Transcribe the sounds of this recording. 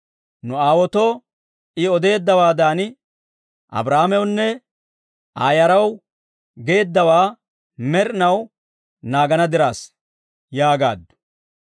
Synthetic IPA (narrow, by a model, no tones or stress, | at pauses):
nʊaːwɔt̪oː | ʔɪɔd̪e̞ːd̪ːɐwaːd̪aːnɪ | ʔɐ̰bɾahmɛwnːɛ | ʔaːjɐɾɐw | ɡe̞ːd̪ːɐwaː | mɛɾnɐw | naːɡɐnɐd̪ɪɾaːs | jaːɡa̰ːd̪ːʊ̥